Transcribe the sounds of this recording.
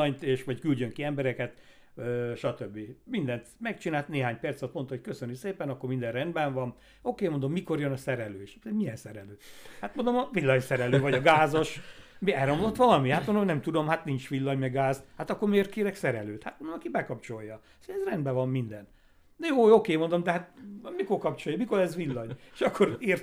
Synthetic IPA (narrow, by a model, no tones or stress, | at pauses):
ɒɲt̪eːʃʋɒckylɟøŋkiɛmbɛɾɛkɛt̪ | øʃɒt̪øbːimind̪ɛnt̪mɛkt͡ʃinaːlt̪neːɦaːɲpɛrt̪sot̪mo̞nt̪ɑhocʲkøsønykseːpɛnɒkːormind̪ɛnrɛnd̪bɛɱvɒn | o̞keːmond̪o̞mːiko̞ɾjønɒsɛɾɛløːʃemiɛnsɛɾɛløːhat̪mond̪omɒvilːɒɲsɛɾɛløːvɒɟɒɡaːzo̞ʃmiɛɾɒmlot̪ʋɒlɒmiaːt̪mond̪onɛmt̪ud̪o̞mhat̪nint͡ʃʋilːɒɲmɛɡaːzt̪hat̪ɒkːormeːrt̪̚keːɾɛksɛɾɛløːt̪ha̰t̪mond̪omɒkibɛkɒpt͡ʃo̞jːɒ | sɛzrɛnd̪bɛvɒmːind̪ɛn | joːokeːmo̞nd̪omd̪ɛɦat̪miko̞rkɒpt͡ʃo̞jɒmiko̞ɾɛzʋilːɒɲeʃɒkːo̞ɾiːrt̪